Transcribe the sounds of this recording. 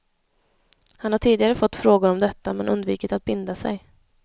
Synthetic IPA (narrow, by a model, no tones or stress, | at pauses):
hanhaʈʰiːd̪ɪɡaɾəfɔt̪ːfɾoːɡʊɾɔmd̪ɛt̪ːamɛnɵnd̪viːkɪt̪at̪̚bɪnd̪asɛ̰j